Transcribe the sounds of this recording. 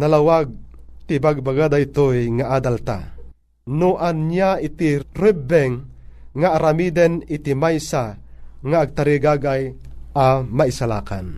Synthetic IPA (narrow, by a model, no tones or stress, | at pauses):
nalawaɡ̚t̪ibaɡ̚baɡad̪ait̪ojŋaʔad̪alt̪a̰ | nuʔanjait̪irɛbɛŋːaːɾamid̪ənit̪imajsaŋaːɡ̚t̪aɾiɡaɡajamaisala̰ːka̰n